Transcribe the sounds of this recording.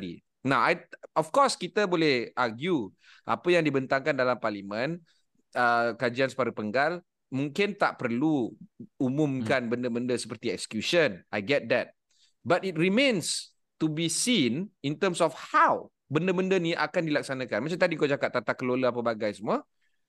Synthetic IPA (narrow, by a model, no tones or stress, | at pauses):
dḭ | naajɔfkɔskit̪əbolɛhaɡju | ʔa̰pəjaŋdibənt̪aŋkandalamparlimə̃n | əkad͡ʒiansə̥paɾəpəŋɡal | mũŋkɪnt̪aʔpərluumũmkanbəndəbəndəsə̥pərt̪iɛ̰k̚sə̥kjusənʔajɡɛt̪̚d̪ɛt̪̚ | batit̚rimẽns | t̪ubisinint̪əmsɔfhaw | bəndəbəndəniʔakandilak̚sanãkanmat͡ʃamt̪adiŋkod͡ʒakaʔ̚t̪at̪akːəloləapəbaɡajsəmua